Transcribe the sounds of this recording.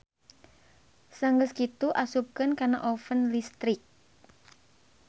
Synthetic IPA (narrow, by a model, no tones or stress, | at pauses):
saŋɡəskit̪uʔasup̚kənkanaʔofənlist̪ɾɪk̚